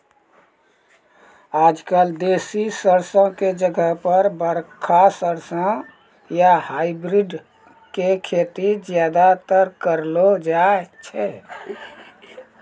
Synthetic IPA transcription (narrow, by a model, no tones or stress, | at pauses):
ad͡ʒkald̪esisəɾsə̃ked͡ʒəɡʱəɦpəɾbəɾkʰasəɾsə̃ | jahajbɾiɖ | kekʰet̪id͡ʒjad̪at̪əɾkəɾlod͡ʒaet͡ʃʰɛ